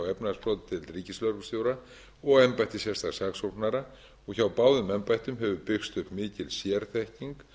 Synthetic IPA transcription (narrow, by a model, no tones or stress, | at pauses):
wɛpnaðspɾowt̪t̪ʰɪlriːcɪslœɾkst̪jowɾa | ɔɣɛmpajht̪ɪsjɛst̪ḁsaksownaɾa | ɔɣçawpaːwðʏmɛmpajht̪ʏmɦɛvʏpɪxst̪ʏhpmɪːcɪlsjɛɾ̥θɛhciŋk